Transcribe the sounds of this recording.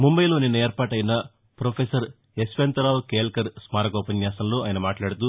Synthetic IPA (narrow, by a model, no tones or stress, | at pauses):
mumbɐjlo̞ːninːɐeːɾpaːʈɐjnɐ | pɾoːpʰeːsɐɾ | espent̪ɐɾaːwkeːlkɐɾsmaːɾɐɡɔːpɐnjaːsɐmlo̞ːaːjnɐmaːʈlaːɽɐt̪u